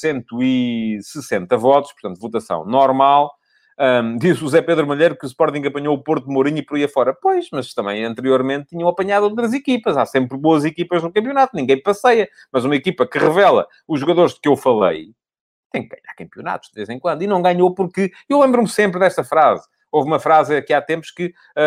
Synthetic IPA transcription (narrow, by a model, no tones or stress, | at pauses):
sẽnt̪uisɨsẽnt̪ɐvɔt̪uʃpuɾt̪ɐ̃nt̪vut̪ɐsɐ̰̃w̃nɔɾmalˠ | ɛd̪izʒuzɛpeðɾumuʎejɾukuspɔɾt̪ĩŋɡɐpɐɲoupoɾt̪umuɾiɲipɔɾiɐfɔɾɐpojʃmɐʃt̪ɐ̃mbɐ̰̃j̃ɐ̃nt̪ɨɾioɾmẽnt̪ːiɲɐ̃w̃ɐpɐɲaðuowt̪̬ɾɐzikipɐzasẽmpɾβoɐzikipɐʒðukɐ̃mpjunat̪unĩŋɡɐ̃j̃pɐsɐjɐ | mɐzumɐikipɐkɨʁɨvɛlˠɐ̰ | uʒːuɣɐðoɾʒdkewfɐlˠɐ̰j | t̪ɐ̃j̃k̚ɣa̰ɲa̰ɾkɐ̃mpjuna̰t̪u̥ʒ̥d̪vezẽkwɐ̃nd̪inɐ̃w̃ɡaɲopuɾkɨ | ewlˠẽmbɾumsẽmpɾðɛʃt̪ɐfɾaz | ovumɐfɾazɐkiat̪ẽmpu̥ʃkɨ